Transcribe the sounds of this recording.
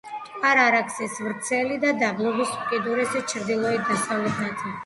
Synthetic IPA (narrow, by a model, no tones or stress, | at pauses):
aɾaɾakʰsɛsvɾt̪sʰɛlid̪ad̪ablˠɔbisukʼid̪uɾɛsɛt͡ʃʰɾd̪ilˠɔɛt̪̚d̪asavlɛt̪ʰnat̪ʰi